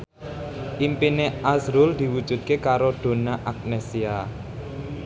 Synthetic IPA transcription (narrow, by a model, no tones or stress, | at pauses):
ʔimpineasɾʊld̪̥i̤wud̥ʒ̥ṳd̪̚kekaɾod̪̥o̤naʔak̚nesia